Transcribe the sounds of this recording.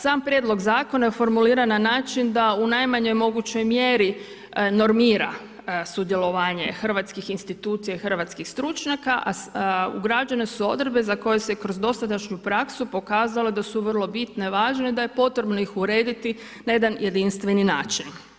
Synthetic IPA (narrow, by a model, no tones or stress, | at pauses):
saːmpɾje̞d̪lo̞ɡzaːko̞najefo̞ɾmuliːɾananaːt͡ʃind̪aunajmaɲo̞jmo̞ɡut͡ɕo̞jmjeɾi | no̞ɾmiːɾa | sud̪je̞lo̞ʋaːɲe̞̰xr̩ʋat̪skixinst̪it̪uːt̪sijaixr̩ʋat̪skixst̪ɾut͡ʃɲakaʔaṵɡɾad͡ʒanesuo̞̰d̪ɾebe̞zako̞je̞sekɾozd̪o̞st̪at̪at͡ʃɲupɾaksupo̞kaːzaled̪asuʋərlˠo̞bit̪neʋaːʒneid̪ajepo̞t̪ɾe̞bno̞ixuɾe̞ːd̪it̪i | naje̞d̪anjʔe̞d̪inst̪ʋe̞nina̰ːt͡ʃin